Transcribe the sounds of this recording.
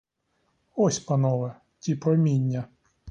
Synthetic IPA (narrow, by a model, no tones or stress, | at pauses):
ɔsʲpɐnɔʋɛ | t̪ʲipɾɔmʲinʲːɐ